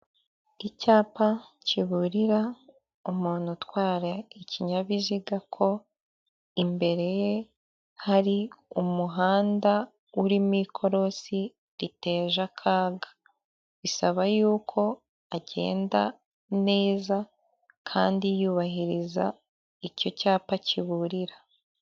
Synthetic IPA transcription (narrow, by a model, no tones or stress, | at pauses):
icaːpaciβuɾiɾa | umuːn̥hutwaːɾaicʰiɲaβiziɡakʰo̞ | imbe̞ɾe̞je | haɾiumuɦaːnda | uɾimikʰo̞ɾo̞si | ɾite̞ːʒakʰaːɡḁ | βisaβajuːkʰo̞ | aɟe̞̰ːnda | ne̞ːza | kʰa̰ːndijuːβaɦiɾiza̰ | ico̞caːpaciβuɾiɾa